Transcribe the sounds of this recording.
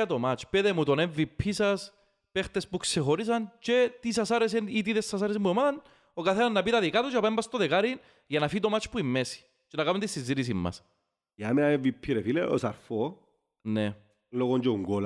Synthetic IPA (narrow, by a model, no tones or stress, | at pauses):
ɐt̪omat͡ʃpeðemut̪oneɱvipʰːisɐs | pext̪espuksexoɾis̬ɐnt͡ʃet̪is̬ɐsaɾes̬enit̪̬iðesːɐsaɾesemːuemɐðɐn | okaθenɐznɐpit̪ɐðikat̪ot͡ʃapaɐembɐst̪oðekaɾin | ʝɐnɐfiit̪omat͡ʃpuimːesi̥ | t͡ʃenɐkɐnunt̪isinzːit̪isimːɐ̰s | ameaeɱvipʰːiɾefileo̰sɐɾfo | ne | loɣoɲd͡ʒeŋɡol